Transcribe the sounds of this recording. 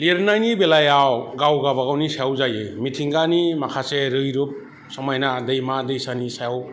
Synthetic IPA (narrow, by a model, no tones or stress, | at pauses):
liɾnajnibelajawɡawɡabaɡawnisajawzajɯmitʰiŋɡanimakʰaseɾɯjɾup̚ | sɔmajnadɯjmadɯjsanisajaw